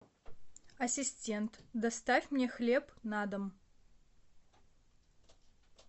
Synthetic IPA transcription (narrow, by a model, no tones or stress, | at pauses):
ɐsʲɪsʲtʲent̪d̪ɐst̪afʲmnʲexlʲepnad̪əm